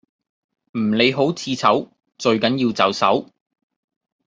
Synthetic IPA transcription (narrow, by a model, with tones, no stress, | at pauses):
m̩˨˩nle˨˧jɦo˨˥wt͡sʰiː˧t͡sʰɐ˨˥w | t͡ʃɵ˧ɥkɐ˨˥njiː˧wt͡sɐ˨˥wsɐ̰˨˥w